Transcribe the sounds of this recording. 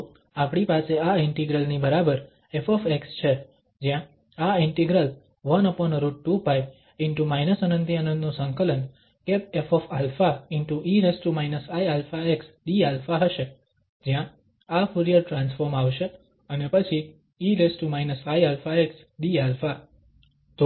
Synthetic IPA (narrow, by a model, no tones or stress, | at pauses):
apɽ̃ipaseaɪɳʈiɡɾəlnibəɾabəɾ | efɔfekst͡ʃʰe | d͡ʒjã | aɪɳʈiɡɾəl | ʋənəpɔnɾuʈʈufajb | ɪɳʈumajnəsənənd̪ʱiənə̃nd̪nũsə̃ŋkələn | kep̚efɔfalfaɪɳʈuʔiɾesʈumajnəsaialfaeksɖialfaɦəʃe | d͡ʒjã | afuɾijəɾʈɾãnsfɔɾmaʋʃe | ənepət͡ʃʰi | iɾesʈumajnəsaialfaeks | ɖialfa | t̪o